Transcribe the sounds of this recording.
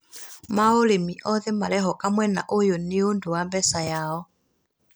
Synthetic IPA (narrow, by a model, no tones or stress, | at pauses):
maolemiʔɔðemalɛɦɔkamwɛna̰ʔojonɪonduwambɛsajaɔ